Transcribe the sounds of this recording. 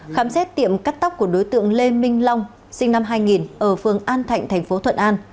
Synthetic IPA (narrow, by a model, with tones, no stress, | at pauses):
xaː˨˦msɛ˦˥t̚t̪ḭ˧˨əmkaː˦˥k̚t̪a˦˥wk͡p̚ku˧˩ə˩ɗo˨˦jt̪ɨ̰˧˨əŋle˧mï˧ŋ̟la˧wŋ͡m | sï˧ŋna˧mɦaː˧jŋi˨˩nʔəː˧˩fɨ˨˩əŋʔaː˧nt̪ʰa̰˧˨jŋt̪ʰɛ˨˩ŋ̟fo˨˦t̪ʰwə̰˧˨nʔaː˧n